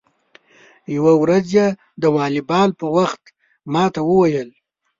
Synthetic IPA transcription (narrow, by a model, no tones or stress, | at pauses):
jawawɾazje | d̪əwɑlibɑlpəwaxt̪ | mɑt̪awəwajəl